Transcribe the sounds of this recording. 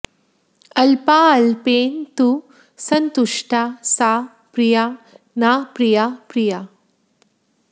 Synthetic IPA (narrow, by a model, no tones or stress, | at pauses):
ɐlpaɐlpeːnt̪u | sɐnt̪uʂʈʰasa | pɾija | napɾijapɾija